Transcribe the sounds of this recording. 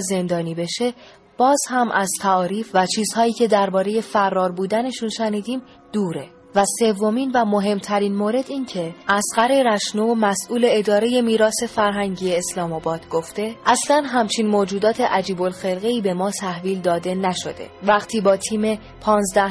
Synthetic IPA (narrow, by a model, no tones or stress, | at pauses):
ze̞nd̪ɒːniːbe̞ʃe̞ | b̥ɒːz̥hæmʔæz̥t̪ʰæɒːɾiːfvæt͡ʃʰiːz̥hɒːiːcʰe̞d̪æɾbɒːɾe̞je̞færːɒːɾbuːd̪æne̞ʃunʃæniːd̪iːm | d̪̥uːɾe̞ | væse̞vːo̞miːnvæmo̞ɦe̞mt̪ʰæɾiːnmoːɾe̞d̪iːncʰe̞ʔæsɢæɾe̞ɾæʃnumæsʔuːle̞ːd̪ɒːɾe̞je̞miːɾɒːse̞fæɾɦæŋɟiːeːslɒːmɒːbɒːd̪ɡo̞ft̪e̞ʔæslænɦæmt͡ʃʰinmoːd͡ʒuːd̪ɒːt̪ʰe̞ʔæd͡ʒiːbo̞lxe̞lɣe̞iːbe̞mɒːt̪ʰæhviːld̪ɒːd̪e̞næʃo̞̰d̪e̞̰væɣt̪ʰiːbɒːt̪ʰiːme̞ | pʰɒːnzd̪æh